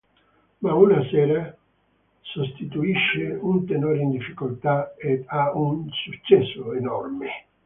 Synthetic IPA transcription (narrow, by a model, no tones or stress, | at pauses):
maunasɛːɾa | sost̪it̪uiʃːɪunt̪enoːɾind̪ifːikolt̪aeaunsut͡ʃːɛsːʊenɔrmɪ